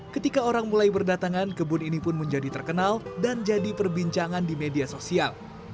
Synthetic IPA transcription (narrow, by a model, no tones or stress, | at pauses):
kət̪ikaoɾaŋmulajbərdat̪aŋankəbʊninipʊnməɲd͡ʒadit̪ərkənaldand͡ʒadipərbiɲt͡ʃaŋandimediasosial